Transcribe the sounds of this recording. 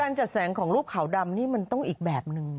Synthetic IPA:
aː˧nt͡ɕa˨˩t̪̚sɛː˩˦ŋkʰɔː˩˦ŋɾuː˥˩p̚kʰːa˨˩˦wda˧mniː˥˩ma˧nt̪ɔ˥˩ŋʔiː˨˩k̚bɛː˨˩p̚nɯ˧ŋ

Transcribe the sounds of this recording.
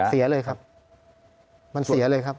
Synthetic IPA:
si˨˩˦ɐ˦lɤː˧jkʰa˦˥p̚ | ma˧nsi˨˩˦ɐ˦lɤː˧jkʰa˦˥p̚

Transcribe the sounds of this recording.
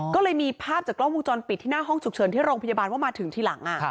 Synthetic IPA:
kɔː˥˩lɤː˧jmiː˧pʰaː˥˩p̚t͡ɕaː˨˩klɔ˥˩ŋwu˧t͡ɕɔː˧npi˨˩t̪ʰːiː˥˩naː˥˩ɦɔ˥˩ŋt͡ɕʰu˨˩k̚t͡ɕʰɤː˩˦nt̪ʰiː˥˩ɾoː˧ŋpa˧jaː˧baː˧nwaː˥˩maː˧t̪ʰɯ˩˦ŋt̪ʰiː˧la˩˦ŋʔa˨˩

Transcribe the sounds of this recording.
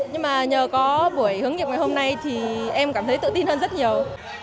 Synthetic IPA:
ɲɨ˧ŋmaː˨˩ɲəː˨˩kɔ˨˦ɓu˧˩əjhɨ˨˦əŋi˨˩əp̚ŋa˨˩ho˧mna˧jt̪ʰi˨˩ʔɛ˧mkaː˧˩mt̪ʰə˨˦jt̪ɨ̰˧˨t̪i˧nhəː˧nzə˦˥t̚ɲi˨˩əw

